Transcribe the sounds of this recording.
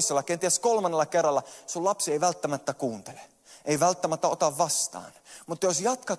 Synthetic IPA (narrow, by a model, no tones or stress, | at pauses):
sːolːɑkent̪iæskolmɑnːelːˑɑkerːɑlːɑsulɑpsieiʋælt̪ːæmæt̪ːækuːnt̪ele | eiʋælt̪ːæmæt̪ːæot̪ɑʋʋɑst̪ɑ̰ːnmut̪ːɑjosjɑt̪kɑ